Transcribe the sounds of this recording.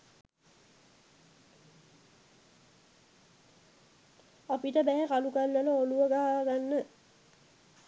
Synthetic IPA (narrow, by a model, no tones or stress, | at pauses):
apiʈəbɛɦɛkalukalːeləoluəɡaɦaɡanːə